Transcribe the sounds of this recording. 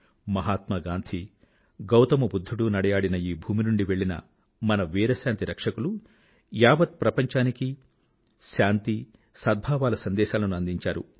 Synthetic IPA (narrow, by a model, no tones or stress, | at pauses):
mɐɦaːt̪mɐɡaːnt̪ʰi | ɡɐwt̪ɐmɐbud̪ʱːuɽunɐɽɐjaːɽinɐiːbʱuːminuɳɖiʋe̞ɭːinɐ̰ | mɐnɐʋiːɾɐʃjaːnt̪iɾɐkʂɐkulu | jaːʋɐt̪̚pɾɐpɐɲt͡ʃaːniki | ʃaːnt̪i | sɐd̪̚bʱaːʋaːlɐsɐnd̪ɛːʃaːlɐnuɐnd̪iɲt͡ʃaːɾṵ